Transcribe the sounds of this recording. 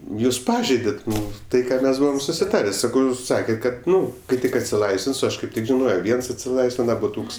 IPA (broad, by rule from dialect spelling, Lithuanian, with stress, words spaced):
ˈjuːs ˈpɑːʒʲɛɪdʲɛtʲ ˈnʊ ˈtɐɪ ˈkɑː ˈmʲɛs ˈbʊʋoːm sʊsʲɪˈtɑːrʲeː ˈsɑːkɐʊ ˈjuːs ˈsɑːkʲɛtʲ ˈkɐt ˈnʊ kɐɪ ˈtʲɪk ɐtʲsʲɪˈlˠɐɪsʲʋʲɪns oː ˈɐʃ kɐɪp ˈtʲɪk ʒʲɪˈnoːjoː ˈʋʲiɛns ɐtʲsʲɪˈlˠɐɪsʲʋʲɪnɐ bʊˈtuːks